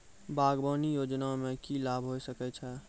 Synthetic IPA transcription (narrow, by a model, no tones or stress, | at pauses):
baɡbənijod͡ʒnamekilabʱɦojsəkɛt͡ʃʰɛ